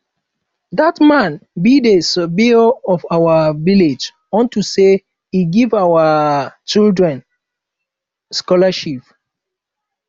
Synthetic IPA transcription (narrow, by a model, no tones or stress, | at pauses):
datmãnbidesɔbioɔvawaviled͡ʒ | ɔ̃ntuse | iɡivawat͡ʃildɹɛ̃n | skɔlaʃip